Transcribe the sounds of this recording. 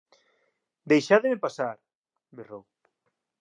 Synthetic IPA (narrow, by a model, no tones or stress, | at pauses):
d̪ejʃaðemepasaɾ | berow